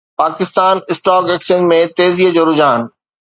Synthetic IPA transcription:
paːkɪst̪aːnɪsʈ̪aːkeːkʃənmẽt̪eːziɦəd͡ʑoːɾʊd͡ʑaːn

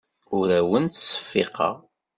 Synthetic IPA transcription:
ʊɾæwənt̪sə̥fːɪ̰qɑ̰ʁ

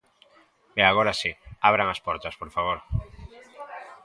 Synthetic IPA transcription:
eaɣ̞oɾasiaβ̞ɾaŋaspoɾt̪aspoɾfaβ̞oɾ

